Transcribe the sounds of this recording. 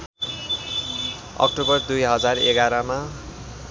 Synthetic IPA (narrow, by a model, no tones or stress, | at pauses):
ʌ̰k̚ʈobʌrd̪ujɦʌd͡zareɡaɾʌma